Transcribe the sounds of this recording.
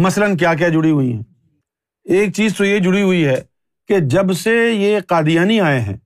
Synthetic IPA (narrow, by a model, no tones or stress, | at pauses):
mɐslənk̬jaːk̬jad͡ʒʊɽiɦʊiɦɛ̰̃ː | eːk̚t͡ʃiːzt̪ojed͡ʒʊɽiɦʊiɦɛː | ked͡ʒɐbsejeqaːd̪ijaːniaːeɦɛ̰̃ː